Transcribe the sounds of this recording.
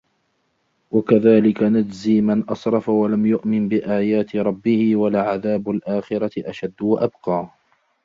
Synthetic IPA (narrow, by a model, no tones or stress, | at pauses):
wakaðaːlɪkanad͡ʒziːmanʔɑsˤɾˤɑfawalamjʊʔmɪnbɪʔaːjaːt̪ɪɾˤɑbːɪhɪwalaʕaðaːbʊlʔaːxɪɾaɪʔaʃad̪ːwaʔabqɑː